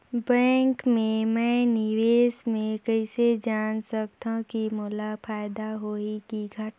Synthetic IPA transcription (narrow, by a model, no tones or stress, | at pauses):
bɛ̃ːŋkmẽmɛ̃nɪʋeːsmẽkəɪsed͡ʒaːnsəkt̪ãkimʊlapʰaːjd̪aɦoikiɡʱəʈː